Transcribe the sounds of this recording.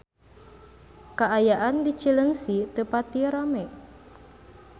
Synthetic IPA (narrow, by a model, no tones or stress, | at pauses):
kaʔajaʔandit͡ʃiləŋsit̪əpat̪iɾamɛʔ